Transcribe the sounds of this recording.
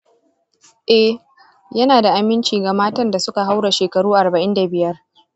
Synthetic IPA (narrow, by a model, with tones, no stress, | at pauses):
ʔɛ˦ | jɐ˦naː˨da˨ʔa˨mɪ˦nt͡ʃiː˨ɡa˨maː˦tɐ˦nda˨sʊ˦ka˨ɦa˦wɽa˨ʃeː˨kɐ˨ɽuː˦ʔa˨rbɐ˨ʔɪ˦nda˨bɪ˨jɐ˦r